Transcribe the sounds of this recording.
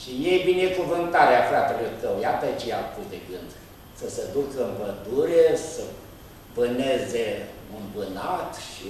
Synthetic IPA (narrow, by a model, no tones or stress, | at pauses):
ʃijejbinekuvɨnt̪aɾeafɾat̪eluk̪əwjat̪ət͡ʃea̰kud̪eɡɨnd̪ | səsed̪ukəɨmpəd̪uɾesə | bəneze | ɨnbɨnat̪ʃi